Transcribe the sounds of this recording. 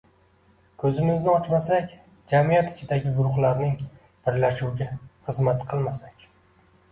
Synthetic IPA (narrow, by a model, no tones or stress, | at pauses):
kʰɵzɪmɪznɪɒt͡ʃmasakʲ | d͡ʒamijat̪ʰɪ̥t͡ʃʰɪd̪aɡʲɪɡʊɾʊχlˠaɾnɪŋ | b̥ɪɾlaʃuwɡʲaχɨzmat̪qʰɨlˠmasakʲ